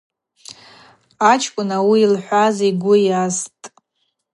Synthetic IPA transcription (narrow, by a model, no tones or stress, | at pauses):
at͡ʃʰʼkʷʼʊnawiːlħʷaziɡʷʊjastʼ